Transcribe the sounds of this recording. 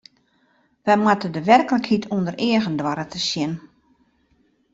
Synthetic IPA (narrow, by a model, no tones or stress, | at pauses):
ʋɛjmwatədəʋɛrkələkhitʰundəreəɣəndwaɾətəsjɪn